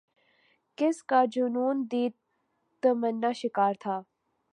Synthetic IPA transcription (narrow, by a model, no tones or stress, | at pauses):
kɪskad͡ʒunuːnd̪iːt̪ː | əmənːaʃɪkaːɾt̪ʰaː